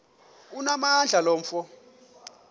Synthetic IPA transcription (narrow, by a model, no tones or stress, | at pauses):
unamand͡ɮʱalɔːɱ̩fɔ